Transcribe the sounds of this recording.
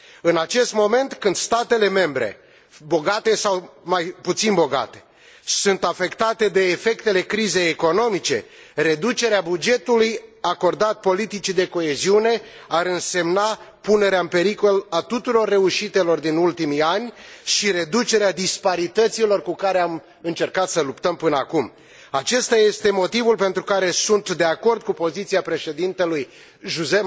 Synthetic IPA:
ɨnat͡ʃe̞st̪mo̞me̞nt̪kɨnd̪̥st̪at̪e̞le̞me̞mbɾe̞̰ | bo̞ɡat̪e̞sawmajput̪sinbo̞ɡa̰t̪e̞̥ | sunt̪afe̞kt̪at̪e̞d̪e̞ːfe̞kt̪e̞le̞kɾize̞jeko̞no̞mit͡ʃe̞̰ | ɾe̞d̪ut͡ʃe̞ɾeabud͡ʒe̞t̪ulujako̞rd̪at̪̚po̞lit̪it͡ʃid̪e̞ko̞e̞ziune̞ | aɾɨnse̞mnapune̞ɾeaɨmpe̞ɾiko̞lat̪ut̪uɾo̞rːe̞uʃit̪e̞lo̞rd̪inult̪imianʲʃiɾe̞d̪ut͡ʃe̞ɾead̪ispaɾit̪ət̪silo̞rkukaɾeam | ɨnt͡ʃe̞rkat̪səlupt̪əmpɨnəakum | at͡ʃe̞st̪aje̞st̪e̞mo̞t̪ivulpe̞nt̪ɾukaɾe̞sunt̪d̪e̞ako̞rd̪̚kupo̞zit̪siapɾe̞ʃe̞d̪int̪e̞luj | ʒuze

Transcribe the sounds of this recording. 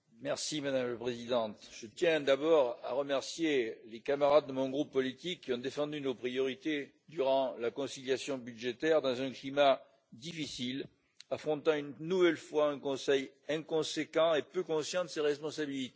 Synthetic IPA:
mɛʁsimad̪amləpχezid̪ɑ̃t̪ʒ̥ət̪jɛ̃d̪abɔʁa̰ʁəmɛʁsjelekamaʁad̪̚ːəmɔ̃ɡʁupːɔlit̪ikːiɔ̃d̪efɑ̃d̪ynopχijɔʁit̪e | d̪yʁɑ̃lakɔ̃siljasjɔ̃byd̪ʒet̪ɛʁd̪ɑ̃zɛ̃klima | d̪ifisil | afχɔ̃t̪ɑ̃ynːuvɛlfwaɛ̃kɔ̃sɛjɛ̃kɔ̃sekɑ̃epøkɔ̃sjɑ̃d̪əseʁɛspɔ̃sabilit̪e

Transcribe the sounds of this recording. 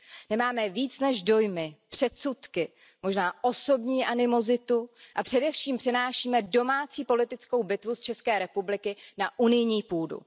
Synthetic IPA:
nɛmaːmɛviːt͡snɛʒdo̞jmɪpr̝̥ɛt̪sut̪kɪ | mo̞ʒnaːʔo̞so̞bɲiːʔanɪmo̞zɪt̪uʔapr̝̥ɛdɛfʃiːmpr̝̥ɛnaːʃiːmɛdo̞maːt͡siːpo̞lɪt̪ɪt͡sko̞wbɪt̪vust͡ʃɛskɛːɾɛpublɪkɪnaʔunɪjɲiːpuːdṵ

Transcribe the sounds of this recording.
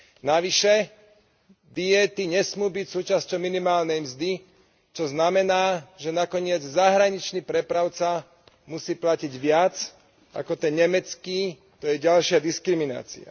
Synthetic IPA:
naʋiʃɛ | d̪ijɛt̪iɲɛsmuːbicsuːt͡ʃascɔʊminimaːlnɛjmzd̪i | t͡ʃɔznamɛnaːʒɛnakɔɲɪɛd͡zzaɦɾaɲit͡ʃnipɾɛpɾaʊt͡sa | musiːplaciɟʋɪat͡s | a̰kɔt̪ɛnɲɛmɛt͡skiː | t̪ɔjɛɟalʃɪad̪iskɾimina̰ːt͡sḭa̰

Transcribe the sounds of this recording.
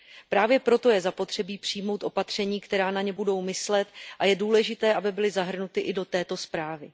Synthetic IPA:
pɾaːvjɛpɾo̞t̪o̞jɛzapo̞t̪r̥ɛbiːpr̝̥ijmo̞wt̪ʔo̞pat̪r̝̥ɛɲiːkt̪ɛɾaːnaɲɛbudo̞wmɪslɛt̪ʔajɛduːlɛʒɪt̪ɛːʔabɪbɪlɪzaɦr̩nut̪ɪʔɪdo̞t̪ɛːt̪o̞spɾaːvɪ

